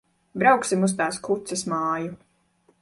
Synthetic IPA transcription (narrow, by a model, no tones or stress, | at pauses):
bɾawksimus̬t̪aːskut̪sɛsmaːju